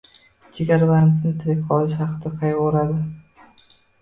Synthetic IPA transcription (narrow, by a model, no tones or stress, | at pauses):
t͡ʃʰɪɡʲaɾbant̪nɪt̪ʰɪɾɪkʲqʰɒlˠɪʃhɑqɨd̪aqʰɑjʁɒɾad̪ɪ